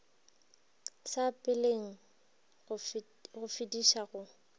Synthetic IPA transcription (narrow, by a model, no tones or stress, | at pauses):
sapʼɪleŋ̩ | ɣʊfɪdiʃaɣʊ